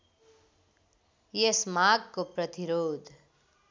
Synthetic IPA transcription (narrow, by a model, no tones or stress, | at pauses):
jesmaɡkoprʌt̪iɾod̪ʱ